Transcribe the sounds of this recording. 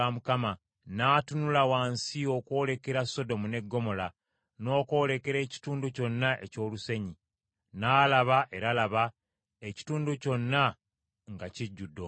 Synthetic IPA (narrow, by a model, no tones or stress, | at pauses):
amukama | naːtunulawaːnsio̞kwo̞ːle̞ke̞ɾasːo̞do̞mune̞ɡːo̞mo̞la | no̞ːkoːle̞ke̞ɾe̞ːci̥tuːnduco̞nːaʔe̞̰co̞ːluse̞ɲi | naːlaβaʔe̞ɾalaβa | eci̥tuːnduco̞nːa | ŋɡaciɟːudːo